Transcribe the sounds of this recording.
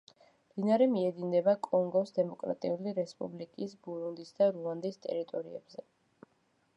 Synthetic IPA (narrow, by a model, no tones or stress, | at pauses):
md̪̥inaɾɛmiɛd̪ind̪ɛbakʼɔŋɡɔsd̪ɛmɔkʼɾa̰t̪ʼiuliɾɛspʼublikʼisbuɾund̪isd̪aɾuand̪ist̪ʼɛ̰ɾit̪ʼɔɾiɛ̰bzɛ